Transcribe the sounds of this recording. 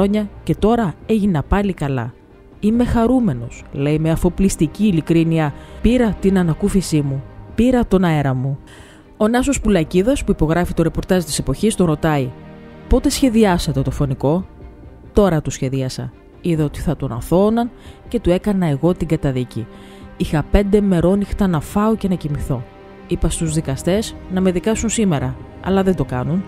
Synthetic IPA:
o̞ɲɐce̞t̪o̞ɾɐe̞ʝinɐpɐlikɐlɐ̰ | ime̞xɐɾume̞no̞sle̞ime̞ɐfo̞plist̪iciːlikɾiniɐpiɾɐt̪inɐnɐkufisimupiɾɐt̪o̞nɐe̞ɾɐmu | o̞nɐso̞spulɐciðɐspuipo̞ɣɾɐfit̪o̞ɾe̞po̞ɾt̪ɐzt̪i̥se̞po̞çist̪oɾo̞t̪ɐi | po̞t̪e̞sçe̞ðiɐsɐt̪e̞t̪o̞fo̞niko̞ | t̪o̞ɾɐt̪usçe̞ðiɐsɐ̰ | iðeot̪i̥θɐt̪o̞nɐ̰θo̞nɐnce̞t̪ue̞kɐnɐe̞ɣo̞t̪iŋɡɐt̪ɐðici | ixɐpe̞nd̪e̞me̞ɾo̞nixt̪ɐnɐfɐoce̞nɐcimiθo̞ | ipɐst̪uzðikɐst̪e̞znɐme̞ðikɐsunsime̞ɾɐ | ɐ̰lɐðe̞nd̪o̞kɐnun

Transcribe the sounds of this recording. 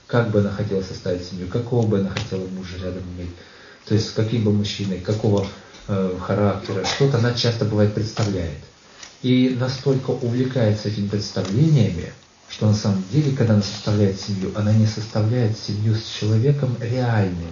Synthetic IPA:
kaɡ̚bɨɐnaxɐtʲelˠəsʲɐst̪avʲɪtʲsʲɪmʲjukɐko̞vəbɨɐnaxɐtʲe̞lˠəmuʐɨɾʲad̪əmɪmʲetʲ | t̪o̞ɪsʲtʲsʲkɐkʲimbɨmʊɕːinəjkɐko̞və | xɐɾaktʲɪɾəʂt̪o̞t̪əɐnat͡ɕast̪əbɨvajɪt̪̚pɾʲɪt̪st̪ɐvlʲæjɪ̰t̪ | inɐst̪o̞lʲkəʔʊvlʲɪkajɪt̪səɛtʲɪmʲɪpɾʲɪt̪st̪ɐvlʲenʲɪjəmʲɪ̰ | ʂt̪o̞nɐsaməmdʲelʲɪkɐɡ̚d̪aɐnasə̥st̪ɐvlʲæjɪt̪sʲɪmʲjuʔɐnanʲɪsəst̪ɐvlʲæjɪt̪sʲɪmʲjusʲt͡ɕɪlˠɐvʲe̞kəmɾʲɪalʲnɨj

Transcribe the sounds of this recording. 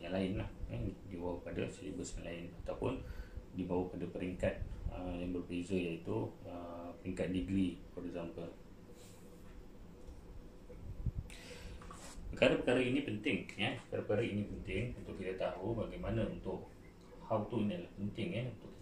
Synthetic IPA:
jaŋlaɪnlahadiwawpada̰səḭbəsjaŋlaɪnat̪awpʊ̰ndibawapadapəɾiŋkat̪̚əjaŋbərbezajait̪uəpəɾiŋkat̪̚diɡɾipaɾizampər | pəkaɾapəkaɾainĩpənt̪ɪŋjapəkaɾapəkaɾainĩpənt̪ɪŋunt̪ʊʔkit̪at̪aɦubaɡajmanãunt̪ʊʔ | hawt̪uinilahpənt̪ɪŋɛhunt̪ʊʔ

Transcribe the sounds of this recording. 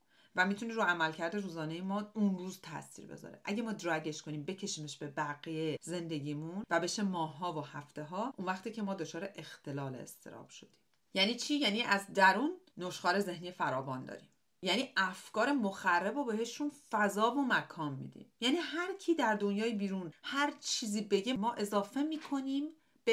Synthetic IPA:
væmit̪ʰuniɾoæmælcʰæɾd̪eɾuːzɒːne̞jemɒːunruːzt̪ʰæ̰sḭːɾbe̞̰zɒ̰ɾḛʔæɟemɒːd̪ɾæɟe̞ʃko̞niːmbe̞cʰe̞ʃiːmeʃb̥e̞bæɡijeze̞nd̪e̞ɟiːmunvæbe̞ʃemɒːɦːɒːvohæft̪e̞ɦɒːʔunvæxt̪iːcʰemɒːd̪ot͡ʃʰɒːɾe̞ʔext̪ʰe̞lɒːlḛḛst̪ʰe̞̰ɾɒ̰ːb̥ʃo̞d̪̥i̥ːm | jæniːt͡ʃʰiːjæːniːʔæzd̪æɾuːnːoʃxɒːɾe̞ze̞hniːjefæɾɒːvɒːnd̪ɒ̰ːɾḭːm | jæːniːʔæfkɒːɾe̞moxærːebobe̞ɦe̞ʃunfæzɒːvo̞mækʰɒːnmḭːd̪ḭːmjæːniːɦæɾcʰiːd̪æɾd̪o̞njɒːjibiːɾunhæɾt͡ʃʰiːziːbe̞ɟemɒːʔe̞zɒːfe̞miːkʰo̞niːm | b̥e

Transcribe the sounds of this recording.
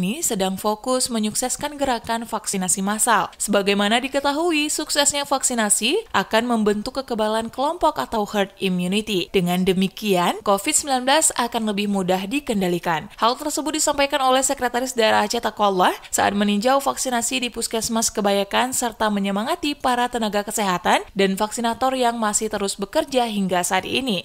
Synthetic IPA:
nisədaŋfokʊsməɲuksɛskanɡəɾakanfaksinasimasalsəbaɡajmanadikət̪aɦuisuksɛsɲafaksinasiʔakanməmbənt̪ukːəkəbalankəlɔmpɔkat̪awhart̪̚imjunit̪id̥əŋandəmikiankofit̪̚səmbilanbəlasakanləbɪhmudahdikəndalikanhalt̪ərsəbʊt̪̚disampajkanolɛhsəkɾɛt̪aɾɪsdaeɾaat͡ʃat̪akolahsa̰ʔa̰t̪̚məniɲd͡ʒawfaksinasidipuskɛsmaskəbajakansərt̪aməɲəmaŋat̪ipaɾat̪ənaɡakəseɦat̪andanfaksinat̪ɔrjaŋmasɪht̪əɾʊsbəkərd͡ʒaɦiŋɡasaːt̪̚ʔḭni

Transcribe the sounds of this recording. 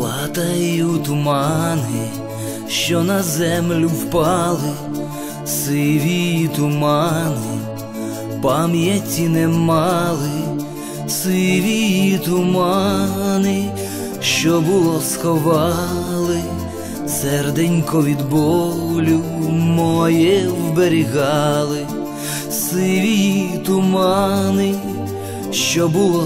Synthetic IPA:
lˠat̪ɐjuwt̪ʊmɑnɪ | ʃt͡ʃɔnɐzɛmlʲʊwpɑlˠɪ | sɪʋʲit̪ʊmɑnɪ | pɑmjɛt͡sʲinɛmɑlˠɪ | sɪʋʲiit̪ʊmɑnɪ | ʃt͡ʃɔbʊlˠɔsxɔʋɑlˠɪ | sɛrd̪ɛnʲkɔʋʲid̪bɔlʲumɔjɛwbeɾʲiɣɑlˠɪ | sɪʋʲit̪ʊmɑnɪ | ʃt͡ʃɔbʊlˠɔ

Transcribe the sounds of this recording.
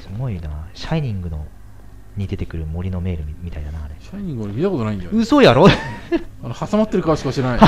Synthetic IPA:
sɨɡo̞inaːɕaiɲ̟ĩŋɡɯ̟no̞̰ | ɲ̟id̪e̞t̪e̞kɯ̟ɾɯ̟mo̞ɾʲino̞me̞ːɾɯ̟mʲit̪ainanaaɾeɕaiɲʲĩŋɡɯ̟oɾemit̪ako̞t̪onaĩd̪ejɯ̟so̞jaɾo | aɾahasamat̪ːeɾɯ̟kaβaɕi̥kaɕiɾena

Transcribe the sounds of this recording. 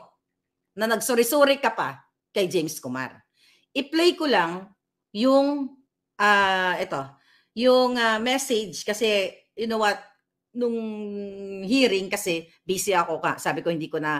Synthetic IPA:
nɐnɐɡsʊɾɪsuːɾɪkɐpa | kɐjd͡ʒɛjmskoma̰ɾ | ʔɪplɛjkolaŋ | jʊŋ | ʔaʔɛt̪o̞ | jʊŋamɛsɪd͡ʒkɐsɛ | jʊnowat̪̚ | nʊŋ | ɦiːɾɪŋkɐsɛ | biːsɪɐkoka̰saːbɪkohɪnd̪iːkonɐ

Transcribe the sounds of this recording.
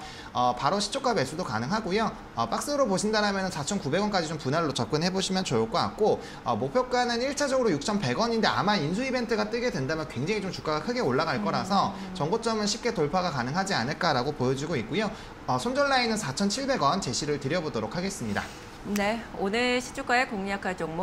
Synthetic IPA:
ʌpaɾoɕʰi̥t͡ɕ͈ʰok͈abe̞s͈ʰudokanɯŋɦaɡojo | ʌp͈ak̚s͈ɯɾopoɕʰindaɾamjʌnɯnsʰat͡ɕʰʌnkube̞ɡwʌnk͈ad͡ʑit͡ɕompunaɭːot͡ɕʌp̚k͈ɯnhe̞boɕʰimjʌnt͡ɕojok͈oa̰k̚k͈o | ʌmopʰjʌk͈anɯniɭt͡ɕʰad͡ʑʌɡɯɾojuk̚t͡ɕʰʌnpe̞ɡʌɲinde̞a̰mains̬ʰuibe̞ntʰɯɡat͈ɯɡe̞dwe̞ndamjʌnkwe̞ŋd͡ʑeŋit͡ɕomt͡ɕu̥k͈aɡakʰɯɡe̞oɭːaɡaɭk͈ʌɾasʰʌt͡ɕʌŋɡot͡ɕ͈ʌmɯnɕʰip̚k͈e̞toɭpʰaɡakanɯŋɦad͡ʑianɯɭk͈aɾaɡopojʌd͡ʑiɡoik̚k͈ojo | ʌsʰond͡ʑʌɭːainɯnsʰat͡ɕʰʌnt͡ɕʰiɭbe̞ɡʌnt͡ɕe̞ɕʰiɾɯɭtɯɾjʌbodoɾok̚ʰaɡe̞s͈ɯmɲida | neonɯɭɕʰi̥t͡ɕʰuk͈aekoŋɲakʰaɭd͡ʑoŋ

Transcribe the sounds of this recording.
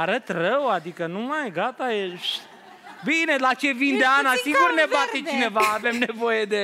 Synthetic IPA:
aɾət̪rəwad̪ikənumajɡat̪ajeʃ | bine̞lat͡ʃe̞vind̪eanasiŋɡurne̞bat̪e̞t͡ʃine̞vaːve̞mne̞vo̞jed̪e̞

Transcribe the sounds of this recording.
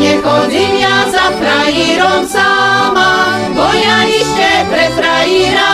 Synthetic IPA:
ɲɛɡod̪injazat̪ɾajiɾomsama | kojaisk̪ɛpɾɛt̪ɾaiɾa

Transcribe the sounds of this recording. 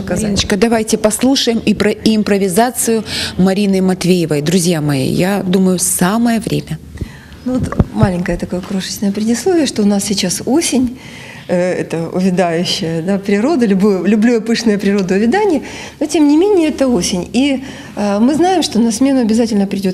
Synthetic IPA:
kɐznət͡ɕkəd̪ɐvajtʲɪpɐslˠuʂəjɪmipɾəɪːmpɾəvʲɪzat̪sɨjʊmɐɾʲinɨmɐt̪vʲejɪvəjd̪ɾʊzʲjamɐjḭjad̪uməjʊsaməjəvɾʲʔemʲə | nuvot̪malʲɪŋʲkəjət̪ɐkojəkɾoʂɨ̥t͡ɕnəjəpɾʲɪdʲɪslˠovʲɪjəʂt̪o̞ʊnassʲɪt͡ɕasosʲɪnʲ | ɛ̰t̪əʊ̰vʲɪd̪ajʉɕːɪjəd̪apɾʲɪɾo̞d̪əlʲʊbujʊlʲʊblʲujɐpɨʂnəjəpɾʲɪɾo̞d̪əʊvʲɪd̪anʲɪjə | notʲemnʲɪmʲenʲɪjəɛt̪əosʲɪnʲi | mɨznajɪmʂt̪o̞nɐsmʲe̞nʊɐbʲɪzatʲɪlʲnəpɾʲɪdʲo̞t̪

